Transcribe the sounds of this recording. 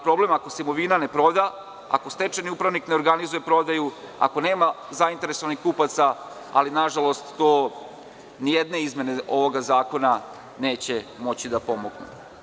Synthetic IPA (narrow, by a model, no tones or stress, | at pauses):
pɾo̞ble̞mako̞seimo̞ʋiːnane̞pɾo̞d̪a | a̰ko̞st̪e̞t͡ʃeniupɾaʋnikne̞oɾɡanizuje̞pɾo̞d̪aju | a̰ko̞ne̞ːma | zaint̪eɾe̞so̞ʋanixkupat̪sa | a̰linaʒalˠo̞st̪ːoː | nijed̪ne̞izmje̞ne̞ʔo̞ʋo̞ɡazaːko̞na | ne̞ːt͡ɕe̞mo̞t͡ɕid̪apo̞moɡnṵ